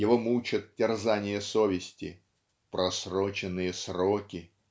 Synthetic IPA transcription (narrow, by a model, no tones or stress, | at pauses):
jɪvomut͡ɕɪt̪̚tʲɪrzanʲɪjəso̞vʲɪsʲtʲɪ | pɾɐsrot͡ɕɪnːɨjəsrokʲɪ